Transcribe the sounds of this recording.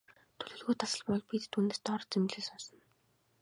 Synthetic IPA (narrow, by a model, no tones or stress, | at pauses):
t̪ʰɵɮɵ̆ːɮɣuːt̪ʰasə̆ɮpɔɮpit̪t̪ʰuːnest̪ʰɔɾt͡semɮeːsɔnsɞ̆n